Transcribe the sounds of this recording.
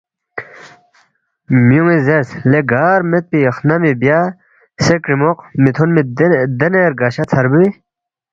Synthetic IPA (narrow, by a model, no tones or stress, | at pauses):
mjuŋizeɾsleɡaːɾmet̪̚piːxnamibja | sekɾimoqmit̪ʰunmid̪eneɾɡaɕat͡sʰɐɾbuwi